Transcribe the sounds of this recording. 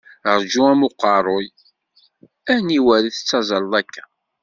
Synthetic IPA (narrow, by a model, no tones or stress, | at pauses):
ʁɾd͡ʒuæmʊqːɑɾˤoj | æniwæɾiθə̥t͡sːɑzˤəlːˤækːæ